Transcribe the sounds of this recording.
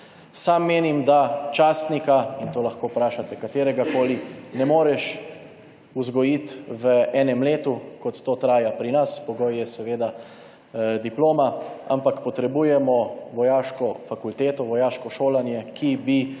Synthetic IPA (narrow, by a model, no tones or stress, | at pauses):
samːeːnimd̪at͡ʃaːst̪nikaint̪oːlaxkoːpɾaːʃat̪ɛkat̪eːɾɛɡakoːlinɛmoːɾɛʃ | uzɡɔjit̪ʋəɛːnɛmleːt̪ukɔt̪ːoːt̪ɾaːjapɾinaspɔɡɔjjɛsɛʋeːd̪a | d̪iploːmaa̰mpakpɔt̪ɾɛbuːjɛmɔʋɔjaːʃkɔfakult̪eːt̪ɔʋɔjaːʃkɔʃoːlanjɛkʰibi